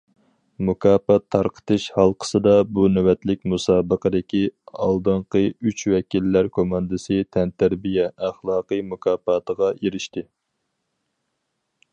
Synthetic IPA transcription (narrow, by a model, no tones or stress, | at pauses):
mukʰɑːpɑt̪ʰːɑɾqʰə̥t̪ɨʃhɑlˠqʰə̥sɨd̪ɑbunɛwɛt̪lɪk̚ʲmusɑːbəqəd̪ɪkʲiɑ̰lˠd̪ɨɴqəyt͡ʃwɛkʲilːæɾkʰomɑnd̪ɨsɨt̪ʰɛnt̪ʰæɾbijɛʔæχlˠɑːqəjmukʰɑːpɑt̪əʁɑeɾɪʃt̪ɪ